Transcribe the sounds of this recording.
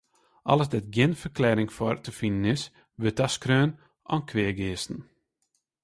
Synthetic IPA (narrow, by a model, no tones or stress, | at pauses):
ʔɔ̰lˠəsdɛt̚ɡjɪnfərklɛːɾɪŋfɔrtəfinənɪs | ʋøtaskrøːn | ʔɔ̰nkʰʋeəɡɪːstn̩